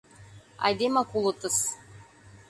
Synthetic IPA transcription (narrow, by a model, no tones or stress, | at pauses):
ɑ̰jd̪emɑkulˠɤ̆t̪ɤs